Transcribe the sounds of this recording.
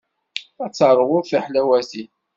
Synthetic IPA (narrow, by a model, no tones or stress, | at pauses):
æt͡sːəɾˤːəʁʊɾθiħlæwæsi